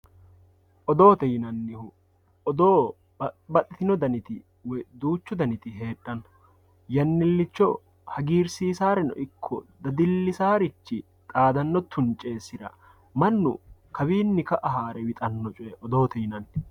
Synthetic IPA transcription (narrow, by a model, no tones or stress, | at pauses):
ʔɔd̪o̞ːt̪ɛjɪnɐnːɪhʊ | ɔd̪oː | bɐt̪ʼːɪt̪ɪnɔd̪ɐnɪt̪ɪ | wɔjd̪uːt͡ʃːʊd̪ɐnɪt̪ɪɦe̞ːᶑːɐn | jɐnːɪlːɪt͡ʃːɔ | hɐɡiːɾsiːsaːɾɛnɔ̰ʔɪkʰːɔ̰d̪ɐd̪ɪlːɪsaːɾɪt͡ʃːɪ | t̪ʼaːd̪ɐnːɔt̪ʰːʊnt͡ʃʼːe̞ːsːɪɾɐ̰ | mɐnːʊ̰kʰɐβiːnːɪkɐʔɐɦaːɾɛwɪt̪ʼɐnːɔt͡ʃʼʊɛʔɔd̪o̞ːt̪ɛjɪnɐnːɪ